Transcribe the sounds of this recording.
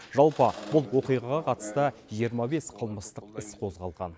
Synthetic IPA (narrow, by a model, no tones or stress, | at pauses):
ʒɑlˠpəbʊlˠwo̞qijʁɑʁɑqʰɑt̪ə̥st̪əʒijəɾmɑbe̞sqʰəlˠməst̪əqɪsqʰo̞zʁɑlˠʁɑ̰n